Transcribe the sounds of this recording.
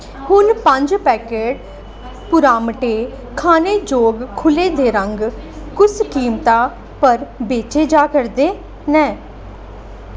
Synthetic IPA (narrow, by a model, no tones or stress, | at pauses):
hʊnpəɲd͡ʒpɛːkeːɖ̚ | pʊɾaːmʈeː | kʰaːneːd͡ʒoːɡkʰːʊleːd̪eːɾəŋɡ | kʊskiːmt̪aː | pəɾbeːt͡ʃeːd͡ʒaːkəɾd̪eː | nɛ̃ː